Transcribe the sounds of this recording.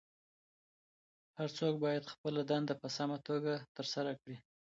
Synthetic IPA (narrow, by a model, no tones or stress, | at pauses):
haɾt͡sok̚bɑjad̪xpəlad̪and̪apəsamat̪oɡat̪əɾsaɾakɽi